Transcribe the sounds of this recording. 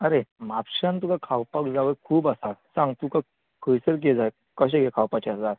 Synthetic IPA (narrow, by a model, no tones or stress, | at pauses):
əɾemapɕant̪ukakʰawpakd͡zaʋəkʰuːbasasãŋɡt̪uka | kʰəjsəɾk̬ed͡zaj | kəɕ̬ẽɡʱekʰawpat͡ɕasd͡zaɾ